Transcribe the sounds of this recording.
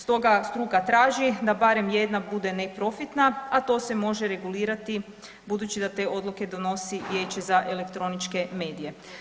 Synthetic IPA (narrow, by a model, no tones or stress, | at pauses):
st̪o̞ɡast̪ɾuɡat̪ɾaːʒid̪abaɾe̞mje̞d̪nabud̪e̞nepɾo̞fit̪naat̪o̞ːse̞mo̞ʒe̞ɾe̞ɡuliːɾat̪i | bud̪ut͡ʃid̪at̪e̞ːo̞d̪luke̞d̪o̞no̞sijet͡ʃezaʔele̞kt̪ɾo̞nit͡ʃke̞me̞ːd̪ije̞